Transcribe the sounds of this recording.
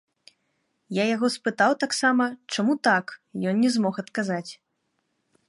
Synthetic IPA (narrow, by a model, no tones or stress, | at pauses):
jajaɣɔspɨt̪awt̪aksamɐt͡ʂamut̪akjɔnnʲɛzmɔxɐt̪kazat͡sʲ